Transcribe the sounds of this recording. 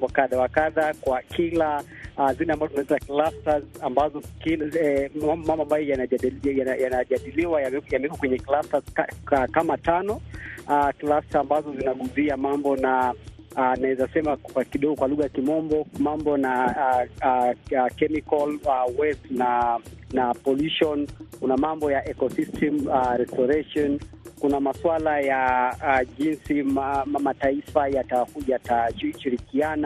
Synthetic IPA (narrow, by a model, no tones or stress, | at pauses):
kaɗawakaðakwakʰilaazilɛambazɔtunatitaklastazambazɔkilambɔmambɔambajɔjanajaajanaʄaɗiliwajaɛjamɛɛkɔkwɛɲɛklasakaakamatanɔaklastaːmbazɔzinaɠuziamambɔna | naɛzasɛmakakiɗɔɡɔkwaluɣajakimɔmbɔmambɔna | kɛmikɔlawɛstnanapɔluʃɔnkunamambɔjaʔɛkɔsistʰɛmaɾɛstɔɾɛʃɔnkunamaswalaja | ʄinsimamataifajatakuataʃiɾikiana